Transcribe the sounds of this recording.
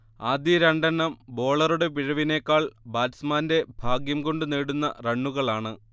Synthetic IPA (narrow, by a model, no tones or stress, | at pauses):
aːd̪jɐɾɐɳɖɐnːɐmbo̞ːɭɐruɽe̞p̬iɻɐʋine̞ːkːaːɭbaːlismaːnde̞bʱaːɡjɐmko̞ɳɖɨneːɽunːɐ̰reɳːuɣɐɭaːɳɨ